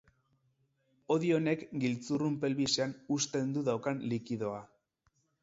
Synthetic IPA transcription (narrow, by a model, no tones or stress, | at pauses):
o̞ðio̞ne̞kɡilt͡surumpe̞lβiseanust̪e̞nd̪uðawkanlikiðo̞a